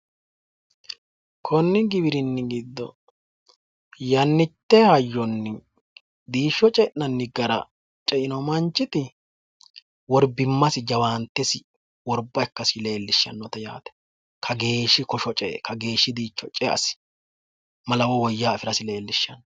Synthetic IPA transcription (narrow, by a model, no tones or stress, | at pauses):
kʰɔnːɪɡɪβɪɾɪnːɪɡid̪ːɔ̰ | jɐnːɪt̪ːɛhɐjːɔnːɪ | d̪iːʃːɔt͡ʃʼɛʔnɐnːɪɡɐɾɐ̰ | t͡ʃʼɛʔɪnɔmɐnt͡ʃːɪt̪ɪ | wɔɾbɪmːɐsɪd͡ʒɐwaːnt̪ːɛsɪ | wɔɾbːɐɛkːɐsɪle̞ːlːɪʃːɐ̰nːɔt̪ɐja̰ːt̪ɛ̥ | kʰɐɡe̞ːʃːɪkɔʃɔt͡ʃʼɛkʰɐɡe̞ːʃːɪd̪iːt͡ʃːɔt͡ʃʼɛʔɐ̰sɪ̥ | mɐlɐwɔwɔjːaːɐfɪɾɐsɪle̞ːlːɪʃːɐnːɔ